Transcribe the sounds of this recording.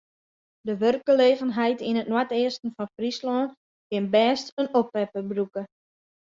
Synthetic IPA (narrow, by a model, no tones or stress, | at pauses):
dəʋørk̚ɡəleːɣənɦɛjtinətnwatɪəstən̩fɔnfrislɔːn | kɪnbɛːstənopʋɛpəbrukə